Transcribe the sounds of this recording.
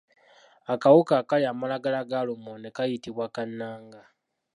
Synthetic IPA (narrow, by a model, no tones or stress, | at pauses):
akawukakaliamalaɡalaɡalumonekajitiβwakanːaːŋɡa